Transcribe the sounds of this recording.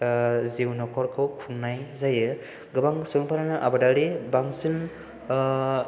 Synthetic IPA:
zewnɔkʰɔɾkʰɯwkʰunnːajzajɯ | ɡɯbaŋsɯŋpʰaɾanɯʔabadaɾibaŋsɯn

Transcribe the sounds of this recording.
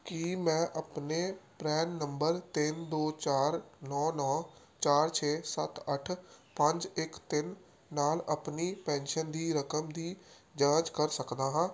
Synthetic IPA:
kimɛ̃ːʔəpnepɾɛːnːə̃mbəɾt̪ɪnd̪oːt͡ʃaːɾnɔːnɔː | t͡ʃaːɾt͡ʃʰeːsət̪əʈʰpə̃ɲd͡ʒɪkt̪ɪnː | aːləpnipɛ̃ːnʃənd̪ʱiːɾəkəmd̪iː | d͡ʒãːd͡ʒkəɾsəkd̪aːɦãː

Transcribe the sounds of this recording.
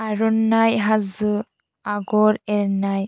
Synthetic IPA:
aɾɔnajɦazɯ | aɡɔɾɛɾnaj

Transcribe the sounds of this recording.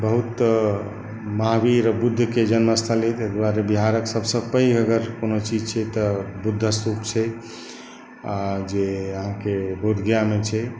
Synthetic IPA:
bəɦut̪ | maɦbiɾəbud̪ʱːəked͡ʒənməst̪ʰəlet̪ekd̪aɾebiɦaɾəksəbsəpəjəɡəɾkonot͡ʃid͡ʒt͡ʃʰɛt̪əbud̪ʱːəsɾupt͡ʃʰɛ | ad͡ʒeəɦãkebod̪ʱɡjamet͡ʃʰɛ

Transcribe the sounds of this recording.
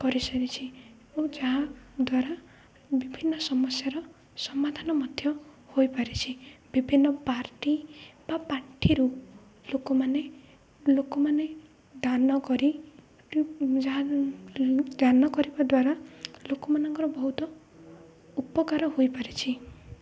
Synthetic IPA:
kɔɾisɔnit͡ʃʰi | od͡ʒaɦad̪waɾa | bibʱinːɔsɔmɔsjaɾɔ | sɔmad̪ʱanɔmɔd̪ʱjɔ | hojpaɾit͡ʃʰibibʱinːɔpaɾʈib̥apaɾʈʰiɾu | lokɔmane | lokɔmane | d̪anɔkɔɾi | d͡ʒaɦa | d̪anɔkɔɾibad̪waɾalokɔmanɔŋkɔɾɔbɔɦut̪ɔ | upɔkaɾɔɦojpaɾit͡ʃʰi

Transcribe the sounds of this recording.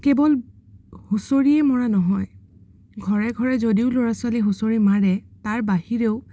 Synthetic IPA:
kebɔl | husoɹiɛmɔɹanɔɦɔj | ɡʱɔɹɛɡʱɔɹɛzodiʊloɹaswaliɦusoɹimaɹɛtaɹbahiɹeʊ

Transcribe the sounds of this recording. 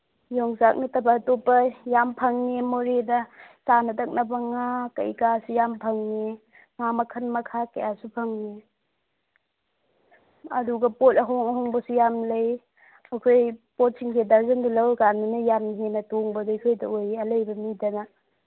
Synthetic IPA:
jɔŋzak̚nitɐbatopːɐjampʰɐŋnemoɾedɐsanɐtʰɐk̚nɐbɐŋakɐ̰jkasujampʰɐŋni | ŋamɐkʰɐnmɐkʰakɐjasupʰɐŋni | ɐ̰duɡɐpotɐɦoŋɐɦɔŋbɐsujamlɐj | ɐkʰojpot̚sʰiŋkʰedaɾzɐndɐlɐwɡanmanɐjamnɦenɐtoŋbɐdakʰojdɐojɐlɐjbɐmidɐna

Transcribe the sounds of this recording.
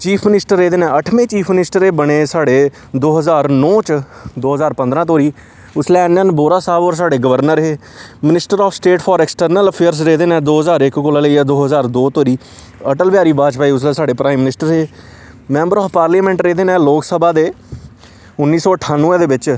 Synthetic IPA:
t͡ʃiːpʰmɪnɪsʈəɾːeːd̪eːnɛ̃ːəʈʰmẽːt͡ʃiːpʰmɪnɪsʈəɾeːbəɽ̃eːsaːɽeː | d̪oːɦəzaːɾnɔ̃ːt͡ʃd̪oːɦəzaːɾpə̃nd̪ɾãːt̪̬oːɾiː | ʊslɛːnːənboːɾaːsaːbɔːɾs̬aːɽeːɡəʋəɾnəɾɦeː | mɪnɪsʈəɾɔːfsʈeːʈʰpʰɔːɾɛːksʈəɾnələpʰeːɾs̬ɾeːd̪eːnɛ̃ːd̪oːɦəzaːɾɪkkoːlaːləiɛːd̪oːɦəzaːɾd̪oːt̪oːɾiː | əʈəlbjaːɾiːbaːd͡ʒpaːiːʊslɛːsaːɖeːpɾaːimːɪnɪsʈəɾeː | mɛ̃ːmbəɾɔːfʰpaːɾliːmɛ̃ːɳʈɾeːd̪eːnɛ̃ːloːksəbaːd̪eː | ʊnːiːsɔːəʈʰːaːnːũːẽːd̪eːʋɪt͡ʃ

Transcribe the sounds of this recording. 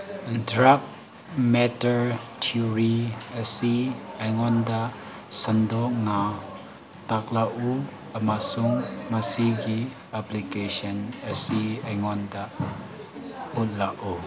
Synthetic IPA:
dɾap̚ | mɛtɐɾtʰuɾiɐsiɐjŋɔnda | sɐndɔk̚na | tak̚laʔu | ɐmasuŋmɐsiɡi | aplikesɐnɐsiɐjŋɔndaʔ | ut̚laʔu

